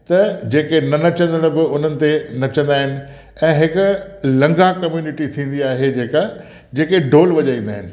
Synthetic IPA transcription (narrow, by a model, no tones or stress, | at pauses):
t̪ɐd͡ʑeːkenɐnɐt͡ɕə̃nd̪əɽ̃̆bɪʊn̤ənɪ̆t̪enɐt͡ɕə̃nd̪aːɦɪnɪ̆ | ɛ̃ːɦɪkʊlɐ̃ŋɡakɐmjuːnɪʈit̪ʰĩːn̆d̪iaːɦed͡ʑeːka | d͡ʑeːkeɖʱoːlʋɐd͡ʑaːĩːnd̪aːɦɪnɪ̆